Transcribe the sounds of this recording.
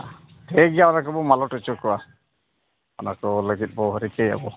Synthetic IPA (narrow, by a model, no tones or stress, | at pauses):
teɡijaɔnakɔbɔmalɔʈɔt͡ʃɔkɔwa | ɔnakɔləɡit̪̚ˀbɔɦɔɾikeja̰bɔ